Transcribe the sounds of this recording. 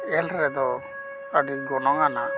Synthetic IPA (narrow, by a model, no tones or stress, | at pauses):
ɛlɾɛd̪ɔ | aɖiɡɔnɔŋana